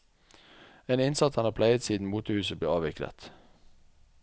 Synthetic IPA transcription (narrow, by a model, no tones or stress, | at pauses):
eːnɪnsɑt̪ɑnɑːpʰlæɪət̪siːd̪n̩muːt̪əhʉːsəbleːɑːʋɪklə̰t̪